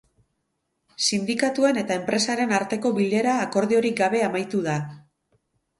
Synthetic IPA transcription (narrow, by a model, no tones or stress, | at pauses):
sind̪ikat̪uene̞t̪ae̞mpɾe̞saɾe̞naɾt̪e̞ko̞βile̞ɾaːko̞ɾðio̞ɾik̚ɡaβ̞e̞amajt̪uða